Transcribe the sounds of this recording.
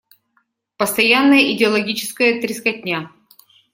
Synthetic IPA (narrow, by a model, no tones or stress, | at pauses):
pəst̪ɐjanːəjəʔɪdʲɪɐlˠɐɡʲit͡ɕɪ̥skəjət̪ɾʲɪskɐtʲnʲa